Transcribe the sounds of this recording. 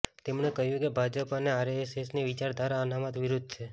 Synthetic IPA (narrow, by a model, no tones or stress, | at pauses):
t̪emɳekəɦjũkebʱad͡ʒəpaneaɾeesesniʋit͡ʃaɾd̪ʱaɾaənamət̪ʋiɾud̪̚ʱt͡ʃʰe